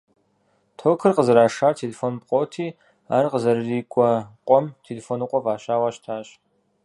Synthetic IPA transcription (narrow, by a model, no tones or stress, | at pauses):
tʰoːkʰɨrqəzɐɾaːʂaːtʰelefoːnpʼqʷʼoːtʰiː | a̰ːrqəzɐrɨriːkʷʼɔqʷʼɔmtʰelefoːnɨqʷʼɔvaːɕaːwɑːɕtʰaːɕ